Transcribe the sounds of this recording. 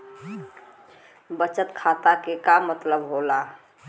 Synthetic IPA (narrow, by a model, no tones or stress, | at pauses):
bət͡ʃət̪kʰat̪akekamːət̪ləbɦola